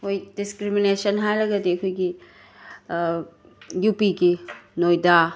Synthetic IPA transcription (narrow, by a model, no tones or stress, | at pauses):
hojdiskɾiminesɐnɦajlɐɡɐdiɐkʰojɡi | jupiɡinojdɐ